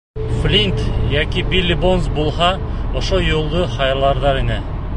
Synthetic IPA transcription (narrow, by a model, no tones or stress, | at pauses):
flʲint̪jækibilʲːɪbonzbulˠɦɑ | ŏʃojulˠd̪ɤχɑjɾlˠɑɾðɑɾinɘ